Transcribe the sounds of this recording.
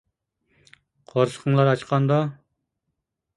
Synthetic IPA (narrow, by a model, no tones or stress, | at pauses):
qʰɑɾʃə̥qʰəŋlˠɑɾɑt͡ʃqʰɑnd̪ɑ